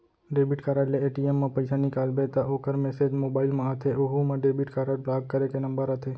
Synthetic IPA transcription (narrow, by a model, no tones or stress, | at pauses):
ɖebiʈkaɾaʈleeʈiemːãpəjsanikaːlbɛt̪aʔokəɾmɛsed͡ʒmobaɪlmãɦət̪ʰeoɦumãɖebiʈkaɾaʈ̚blaɡ̚kəɾekenəmbəɾɦət̪ʰe